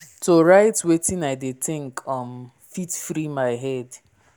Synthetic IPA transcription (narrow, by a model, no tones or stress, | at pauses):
toɹaɪtwetĩnaɪdetɪ̃ŋkʰɔm | fitfɾimaɪɦɛd